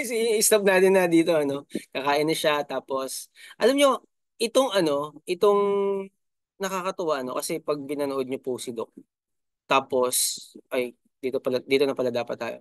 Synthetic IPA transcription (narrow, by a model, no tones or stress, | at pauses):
sijŋɪst̪ɐb̚naːt̪ɪnːɐd̪iːt̪o̞ɐno̞kɐkaːʔɪnɐʃat̪aːpo̞sʔɐlɐmɲo̞ | ʔɪt̪oŋɐno̞ʔɪt̪oŋ | nɐkakɐt̪ɐwaʔɐno̞̰kɐsɛpɐɡ̚pɪnɐnoʔod̪̚ɲopusɪd̪ok̚ | t̪aːpo̞sʔɐj | d̪iːt̪opɐlɐd̪iːt̪onɐpɐlɐd̪aːpɐt̪̚ːa̰ːjo̰